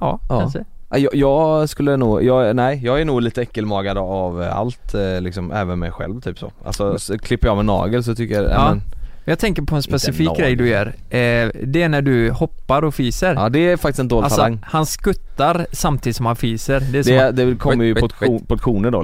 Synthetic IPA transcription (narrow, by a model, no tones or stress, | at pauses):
ɑːɑsɛʔajɑjɑːɡskɵlːənuːɡjɑːnæɪjɑːɡænuːɡliːt̪əɛkːəlmɑːɡad̪əava̰lt̪lɪksɔmɛ̰ːvənmɛ̰jɧɛ̰lvt̪ʰyːpso̰ːʔa̰lsɔsɔkʰlɪpːəɾjɑmɛnɑ̰ːɡəls̬ɔt̪ʰʏkːəjaɛ̰mɛnmjɑːt̪ʰɛŋkəɾpʰɔɛnspɛsɪfiːkɡɾɛjd̪ɵæɾ | d̪ɛæɳæɖɵhɔpːaɾɔfiːsəɾd̪ɛfakt̪ɪst̪ɛnd̪oːlalt̪ʰːslaŋːhanskɵt̪ːaɾsamt̪ʰiːd̪ɪt̪sɔmhanfiːsəɾd̪ɛsd̪ɛd̪ɛkʰɔmːəjəpɔpʰɔt̪ɧuːnəɖo̰